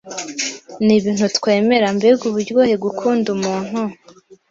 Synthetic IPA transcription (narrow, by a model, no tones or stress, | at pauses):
niβiːn̥hutkwe̞ːme̞ɾambebɡuβuɾɟɡoːheɡukʰuːndumuːn̥hu